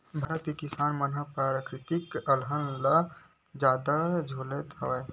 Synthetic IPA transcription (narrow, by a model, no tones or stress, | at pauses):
bʱɐɾət̪ikisaːnmənɦəpɾaːɾəkɾɪt̪ikəlɦənla | d͡ʒaːd̪ad͡ʒʱoːlet̪ɦɐʋɛ